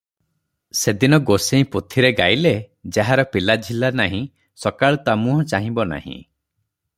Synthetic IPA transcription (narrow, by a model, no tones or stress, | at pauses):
sed̪inɔɡoseĩpot̪ʰiɾeɡajle | d͡ʒaɦaɾɔpilad͡ʒʱilanaɦĩ | sɔkaɭɔt̪amũɦɔ̃t͡ʃaɦĩbɔna̰hḭ̃